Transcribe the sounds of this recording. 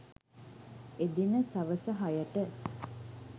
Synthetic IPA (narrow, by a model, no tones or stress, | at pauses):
ed̪inəsɐʋəsəɦajəʈə